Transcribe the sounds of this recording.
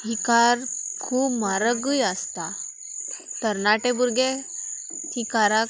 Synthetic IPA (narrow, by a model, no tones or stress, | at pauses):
ɦikaɾkʰuːpmaɾəɡujəst̪a | t̪əɾnaʈebuɾɡe | hikaɾa